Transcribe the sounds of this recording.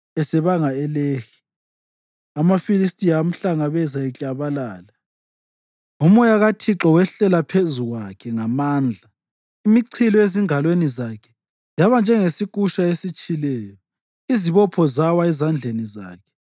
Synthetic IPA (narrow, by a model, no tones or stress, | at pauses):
ɛsɛβaŋaɛlexi̥ | amafilistʼijam̩ɬaŋaβɛzaɛt͡ɬʼaβalaːla | umɔjaɣatʰiǁɔwɛɬɛlapʰezuɣwakʰɛŋamaːnd͡ɮʱa | imiǀʰilɔeziŋalwenizakʰɛ̥ | jaβand͡ʒʱɛŋesik̬ʼuʃaesit͡ʃʼilɛːjɔ | iziβɔpʰɔzawaɛzand͡ɮʱeniza̰ːkʰɛ̥